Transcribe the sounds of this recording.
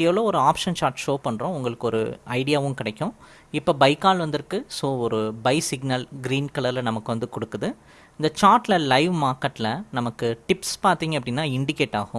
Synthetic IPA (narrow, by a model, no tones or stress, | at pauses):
ɛʋɐloːɔɾɯaːpʂɐnt͡ʃaːɾʈʂoːpɐɳːɾõːʊŋɡɐɭɯkːɔɾɯ̰ɐɪɽɪjaːʋɯ̃mkɪɽɐkʲːʊ̃ | ɪpːoːbɐɪkːaːlʋɐnd̪ɪɾkːɯsoːɔɾɯbɐɪsɪɡnɐlɡɪɾiːnkɐlɐlɐnɐmɐkːɯʋɐnd̪ɯkɔɽɯkːɐðɯ | ɪnd̪ɐt͡ʃaːɾʈlɐlɐɪʋmaːɾkɐʈːlɐnɐmɐkːɯʈɪpspaːɾt̪iːŋɡɐpːɐɽɪnːaːɪɳɖɪkeːʈːaːɣʊ̃